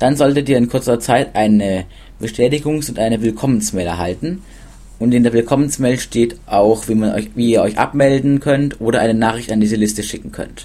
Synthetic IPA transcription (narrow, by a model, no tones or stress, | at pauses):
d̥anzɔltətʔiːɐɪnkʰʊɐt͡sɐt͡saɪtʔaɪnə | b̥əʃtʰɛːtɪɡʊŋsʊntʔaɪnəvɪlkʰɔmənsmɛːlɛɐɦa̰ltn̩ | ʔʊntɪndeːɐvɪlkʰɔmənsmɛːlʃtʰeːtʔaʊxviːmanɔ̰çviːiːɐɔʏçʔa̰p̚mɛldn̩kʰœntʔoːdɾɐʔaɪnənaːχʁɪçtandiːzəlɪstəʃɪkŋ̩kʰœ̰nt